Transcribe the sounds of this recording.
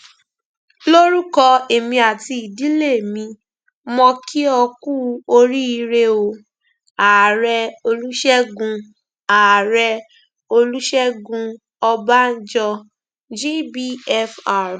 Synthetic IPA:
lo˦ɾu˦kɔ˧e˨mĩ˧a˨ti˧i˨di˨˦le˦˨mĩ˧ | mɔ̃˧ki˦ɔ˧ku˦o˧ɾi˦i˧ɾe˧o˨ | a˨ɾɛ˧o˧lu˦ʃɛ˦ɡũ˧ | a˨ɾɛ˧ | o˧lu˦ʃɛ˦ɡũ˧ | ɔ˧ba˦n̩˦d͡ʒɔ˧ | d͡ʒi˦bi˦˨ɛ˦fa˦˨

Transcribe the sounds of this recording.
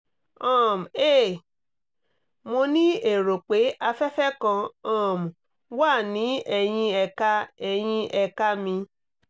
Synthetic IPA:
ɔ̃˦˨m˨e˦˨ | mo˧nĩ˦e˦˨ɾo˨k͡pe˨˦ʔa˧fɛ˦fɛ˦kã˧ɔ̃˦˨m˨ | waː˦˨nĩ˨˦ɛ˧j̃ĩ˧ɛ˧ka˦ɛ˧j̃ĩ˧ʔɛ˧ka˦mĩ˧

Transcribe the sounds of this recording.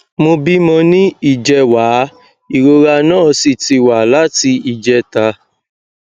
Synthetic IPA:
mo˧bi˦mɔ̃˧nĩ˦i˦˨d͡ʒɛ˧wa˨˦ | i˨ɾo˧ɾa˧nãː˦˨˧si˨ti˧wa˨la˦ti˧i˨d͡ʒɛ˧ta˧

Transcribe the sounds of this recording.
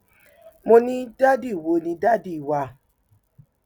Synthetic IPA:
mo˧nĩ˦da˦di˦˨wo˨˦nĩ˧da˦di˦˨wa˧

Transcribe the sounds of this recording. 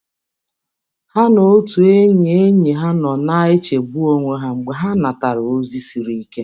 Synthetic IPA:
ha˦no˨o˦tu˨e˦ɲ˨e˦ɲi˨ɦa˦nɔ˨na˦ɪ˦t͡ʃe˨bu˦o˦ŋʷe˦ɦa˦ŋ͡m̩˨ɡ͡be˨ɦa˦na˨ta˨ɾʊ˨o˦zi˦si˨ɾi˦i˦ke˦

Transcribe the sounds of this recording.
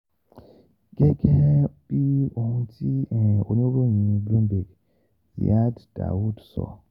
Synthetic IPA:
ɡɛ˦ɡɛ˦b̥i˦o˨hũ˦tʰi˦ɛ̃˨o˨nũ˦bo˦ɲĩ˨˦blũ˦mbe˨ɡ | ja˦dd̥a̰˨wu˦dsɔ̰˨

